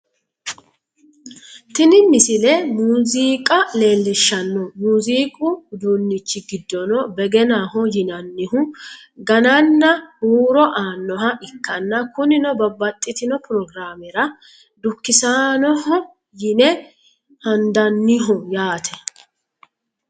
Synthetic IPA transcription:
t̪ɪnɪmɪsɪlɛmuːziːkʼɐle̞ːlːɪʃːɐnːɔmuːziːkʼʊd̪uːnːɪt͡ʃːɪɡɪd̪ːɔnɔbɛɡɛnaːɦɔjɪnɐnːɪhʊ | ɡɐnɐnːɐhuːɾɔʔaːnːɔɦɐʔɪkːɐnːɐkʊnɪnɔbɐbːɐt̪ʼːɪt̪ɪnɔpʊɾɔɡɾaːmɪɾɐ | d̪ʊkːɪsaːnɔhɔ | jɪnɛ | hɐnd̪ɐnːɪɦʊjaːt̪ʰɛ̥

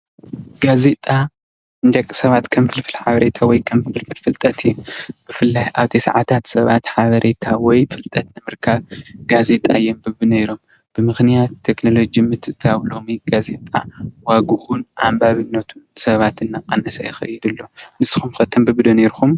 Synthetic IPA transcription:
ɡ̥aze̞t̪ʼa | ɨnd͡ʒ̪ɐkʼːi̥sɐβat̪kʰɐmfɨlfɨlħaβɐɾe̞t̪ʰawɔjkʰɐmfɨlfɨlfɨlt̪ʼɐt̪ʰb̥ɨfɨlːajʔaβt̪ʰisa̰ʕat̪ʰat̪sɐβat̪ħaβɐɾʔe̞t̪ʰawɔjfɨlt̪ʼɐt̪nɨmɨɾkʰaβɡaze̞t̪ʼa̰jːombɨβɨnejɾo̞m | b̥ɨmɨxnijat̪ʰːekno̞lo̞d͡ʒimɨt͡s̪ʼɨt̪ʰawlo̞miɡ̥aze̞t̪ʼa̰waɡuʔunʔambaβɨnːɐt̪ʰunsɐβat̪ɨnːaqʼa̰nɐsɐjɪxɐ̰jid̪ɨlːo̞mɨsxumxɐt̪ʰɐmbɨβd̪oneɾxum

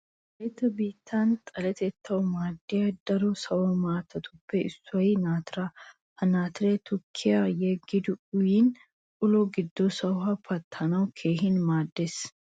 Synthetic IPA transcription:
et̪ːɐbiːt̪ʰːant̪ʼɐlɛt̪ɛt̪ːɐwmaːd̪ːɪjɐd̪ɐɾɔsɐwɔmaːt̪ʰːɐt̪ʰʊpːɛɪsːʊɐjnaːt̪ɪɾɐ | hɐnaːt̪ɪɾet̪ʰʊkʰːɪjajɛɡɪd̪ʊʊjiːn | ʊlɔɡɪd̪ːɔsɐwhɐpʰɐt̪ʰːɐnɐwkʰe̞ːɦɪnmaːd̪ːes

